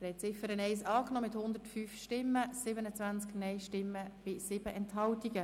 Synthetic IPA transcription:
əɾɛt͡sɪfəɾənɛɪsɑːknɔːmɪthʊnd̪ətfyːfʃtɪmːəsɪbənət͡sʋænt͡sknɛɪʃtɪmːəb̥ɪsɪbəʔɛnthɑltiɡə

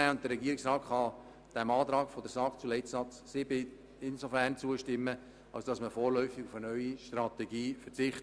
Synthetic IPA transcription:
æːʊntd̥̪əɾɛɡiəɪksrɑːtχɑ | d̥ɛmɑːt̪ɾɑːɡfɔdəsɑkt͡sulɛɪtsɑt͡ssɪbɪ | ɪnsofæɾnt͡suəʃtɪmːə | ɑ̰lsd̥ɑsməfoːɾlœʏfɪɡʊfənœʏiʃtrɑt̪ɛɡiːfɛt͡sɪχt

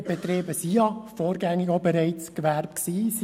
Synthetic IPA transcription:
b̥ɛt̪ɾeːbəsijɑfoːɾɡæŋːɪɡobɛɾɛɪt͡skʋæɾp̚ksiːs

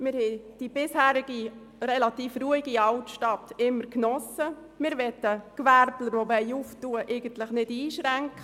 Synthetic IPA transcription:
mɪɾhɛd̥ib̥ɪshæːɾɪɡi | ɾɛlɑt̪iːfruəiɡiɑltʃtɑtɪmːəɾknɔsə | mɪɾʋɛtːəkʋæɾbləɾʋovɛɪuftuəʔeɪɡən̩t̪ləχnɪdiːʃɾæŋkχə

